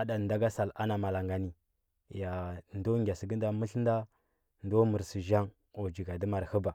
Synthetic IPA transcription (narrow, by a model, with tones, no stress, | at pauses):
a˦da˨da˦ɡa˦sa˨la˦na˨ma˨la˨ŋɡa˨ni˨ | ja˨ndo˦ŋɡʲa˨si˨ɡə˦n˦da˦mə˦ɬn˦da˦ | ndo˦mə˨ɾsi˨ʒa˦ŋ | o˨d͡ʒi˨ɡa˨də˦ma˨ɾhə˦ba˨